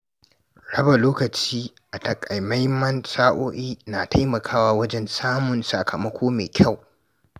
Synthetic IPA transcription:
ɽɐ˦ba˨loː˦kɐ˨t͡ʃiː˦ʔa˨tɐ˨kʼɐ˨jma˦jmɐ˦nsaː˦ʔoː˦ʔiː˦na˨tʰa˦jmɐ˨kʰaː˦waː˦wɐ˦d͡ʒɛ˦nsaː˦mʊ˨nsɐ̰˨kʰɐ˨mɐ˦kʷoː˦meː˨kʲʰa˦˨w

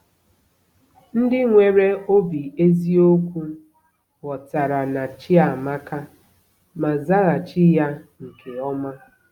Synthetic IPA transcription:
n̩˦dɪ˦ŋʷe˨ɾe˦o˦bi˨e˦zi˦o˦kʷu˦ | ɣɔ˨ta˨ɾa˨na˨t͡ʃɪ˦a˨ma˦ka˦ | ma˨za˦ɣa˨t͡ʃɪ˦ja˦ŋ̩˨kʰe˨ɔ˦ma˦

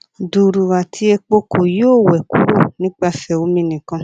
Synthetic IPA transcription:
du˨ɾu˨ɾa˨tʰi˧e˧k͡po˧ko˨joː˦˨wɛ˨ku˦ɾo˦˨nĩ˦k͡pa˧fɛ˨o˨˦mĩ˧nĩ˨kã˧

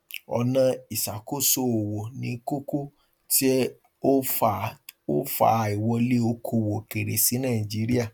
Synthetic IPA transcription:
ɔ̰˧nã˧i˨sa˨ko˦˨so˦˨o˨wo˨nĩ˨˦ko˦ko˦ | ti˦ | o˦fa˨o̰˦fa̰˨˦i˨wɔ˧le˦o˧kʰo˧wo˨ke˨ɾe˨si˨˦nã˦˨ĩ˨d͡ʒi˨˦ɾi˦a˦˨

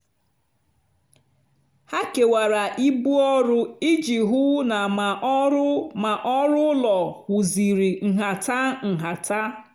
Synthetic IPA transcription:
ha˦ke˨wa˨ɾa˨ʔi˦bu˦ɔ˦ɾʊ˦i˦d͡ʒi˨ɦʊ˦na˨ma˨˦ma˨ʔɔ˦ɾʊ˦lɔ˨hʊ˨zi˨ɾi˨ŋ̩˨ɦa˨ta˦ŋ̩˨ɦa˨ta˦

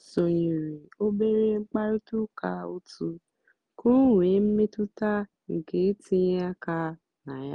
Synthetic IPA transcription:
so˨jĩ˨ɾi˨o˦be˦ɾe˦ŋ͡m̩˦k͡pa˦ɾi˦tu˦ka˧o˧tu˧ | ko˦˨ɾe˨˦m̩˦mẽ˦tu˦ta˦ | ŋ̩˨ke˨˦tĩ˧ja˦ka˧ | nã˨ja˦

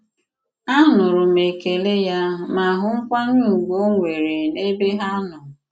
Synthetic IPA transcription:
a˦nʊ˨ɾʊ˨me˨ke˨le˦ja˦ma˨ɦʊ˦ŋ̩˦kʷa˦ɲ˦u˦˨ɡo˦ŋʷe˨ɾe˨ne˦be˦ɦa˦nʊ˨

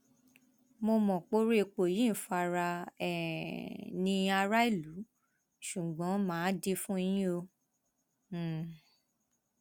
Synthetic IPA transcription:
mo˧mɔ̃˨k͡po˦ɾe˦e˧k͡po˨jĩ˦˨fa˧ɾa˧ɛ˨ | nĩ˧a˧ɾa˦i˦˨lu˨˦ | ʃu˨ɡ͡bɔ̃˨˦mãː˨˦di˧fũ˦i˧j̃ĩ˦o˧˨

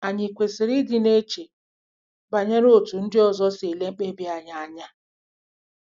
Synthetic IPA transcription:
a˨ɲɪ˨kʷe˨sɪ˨ɾi˦dɪ˦ne˦t͡ʃe˨ | ba˨ɲe˦ɾo˦tu˨n̩˦dɪ˦ɔ˨zɔ˦se˨le˦ŋ͡m̩˦k͡pe˦bi˦a˨ɲa˦a˨ɲa˦

